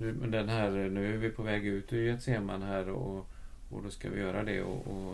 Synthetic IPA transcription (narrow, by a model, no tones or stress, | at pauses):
mɛnd̪ɛnɦæːɾnʉ̟ːæɾvɪpʰɔvɛːɡʉ̟ːt̪ɵjɛt̪seːma̰nɦæːɾ | ɔ̰d̪ɔska̰vɪ̰jœːɾad̪ɛ̰ɔ̰ɔ